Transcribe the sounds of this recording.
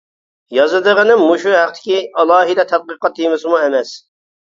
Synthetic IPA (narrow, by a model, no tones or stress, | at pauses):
jɑzɨd̪əʁənɨmmːuʃuɦæqt̪ʰɪ̥kʲiɑlˠɑːɦid̪ɛt̪ʰæd̪̚qəqɑt̪̚ːijmɪsɪmuɛmɛs